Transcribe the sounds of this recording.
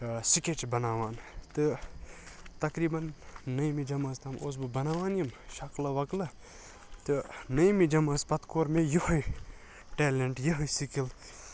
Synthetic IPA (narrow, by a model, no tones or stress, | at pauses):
siket͡ʃbɐnaːʋaːnt̪ɨ | t̪ɐkɾiːbɐnːɐjmid͡ʒɐmɐst̪ʰɐmoːs̬bɨbɐnaːʋaːnjɐmʃɐklɐʋɐklɐ | t̪ɨnɐjmid͡ʒɐmɐspɐt̪koːɾmejoɦoj | ʈeːleɳʈjɐɦojsikil